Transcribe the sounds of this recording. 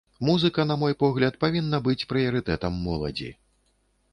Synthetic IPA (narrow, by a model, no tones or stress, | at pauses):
muzɨkɐnɐmɔjpɔɣlʲɐt̪pavʲinːɐbɨt͡sʲpɾɨjɐɾɨt̪ɛt̪ɐmːɔlˠɐ̰d͡zʲḭ